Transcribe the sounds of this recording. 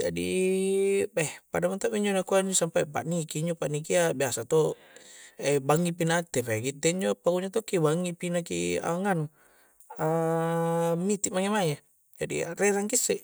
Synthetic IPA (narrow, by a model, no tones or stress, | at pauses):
d͡ʒa̰dḭ | bɛhpadamant̪apiɲd͡ʒɔnakuaɲd͡ʒɔsampajpa̰ʔnikiɲd͡ʒɔpaʔnikiabiasat̪ɔ | ɛbaŋɡipinat̪ɛpaɡit̪ɛɲd͡ʒopaɡuɲat̪ɔkibaŋipinakḭa̰ŋanu | a | mit̪iʔmaŋemaja | d͡ʒadḭrɛɾaŋkisɛ